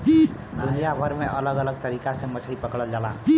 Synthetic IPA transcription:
d̪unijabʱʌɾmeʔʌlʌɡʌlʌɡ̚t̪ʌɾikasʌ̃mʌt͡sʰaipʌkɽʌld͡ʒalã

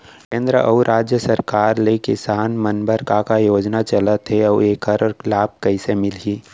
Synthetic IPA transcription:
kẽːnd̪ɾəʔɐuɾʔaːd͡ʒjəsɐɾkaːɾlekɪsaːnmɐnbəɾkakajoːd͡ʒnat͡ʃɐlət̪ɦeɔːeːkəɾɔɾlaːb̚kɐɪsemɪlɦiː

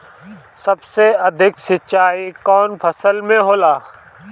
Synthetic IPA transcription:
sɐbseɐd̪ʱɪksɪt͡ʃʃaːikɔːnpʰɐsəlmẽɦoːlaː

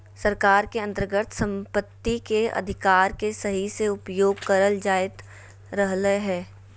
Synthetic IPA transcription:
sɐɾkaːɾkeɐ̃nt̪əɾəɡət̪sə̃mpət̪ːikeɐ̰d̪ʱɪkaːɾkesɐɦiseʊpjoːɡ̚kɐɾəld͡ʒaːɪt̪ | ɾəɦləɦɛː

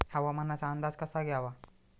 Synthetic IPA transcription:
haʋamənːat͡ɕaənd̪ad͡zkəsaɡʱjaʋa

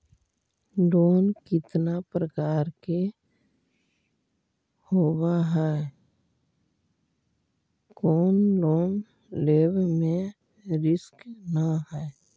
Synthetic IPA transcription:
ɖoːnkɪt̪napɾəkaːɾke | hoːwaɦɛ | kɔːnloːm | leːbmẽ | ɾɪsknaɦɛː

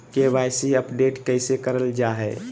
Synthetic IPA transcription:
keʋaːɪsiəpɖeːʈkəɪsekəɾəld͡ʒaɦɛ

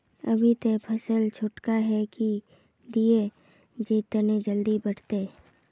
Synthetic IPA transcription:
ɐ̰bʱit̪epʰɐsəlt͡ʃʰʊʈkaɦɛki | d̪ie | d͡ʒet̪əned͡ʒəld̪ibɐʈt̪e

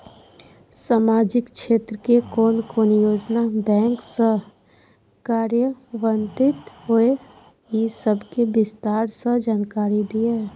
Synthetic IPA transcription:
saːmaːd͡ʒɪkʃeːt̪ɾəkekoːnkoːnjoːd͡ʒnabɛ̃ːŋksə | kaːɾjəʋə̃nt̪ɪt̪ɦoe | jisəbʱkebɪst̪aːɾsəd͡ʒaːnkaːɾid̪ie

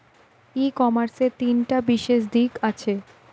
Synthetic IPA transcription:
ikɔmaɾseɾt̪inʈabiʃeʃd̪ikat͡ɕʰe

